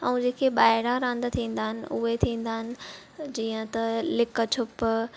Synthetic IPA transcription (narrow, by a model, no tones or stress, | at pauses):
ɛ̃ũd͡ʑeːkʰeɓaːɪɽaɾə̃nd̪t̪ʰĩːnd̪aːɦɪnɪ̆ʔʊ̰ɦet̪ʰĩːn̆d̪aːɦɪnɪ̆ | d͡ʑiːə̃t̪ɐlɪkət͡ɕʰʊp